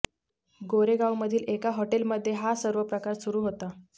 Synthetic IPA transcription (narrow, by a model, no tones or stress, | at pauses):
ɡoɾeɡawməd̪ʱiːlekaɦoʈelməd̪ʱːjeɦasəɾʋəpɾəkaɾsuɾuːɦot̪a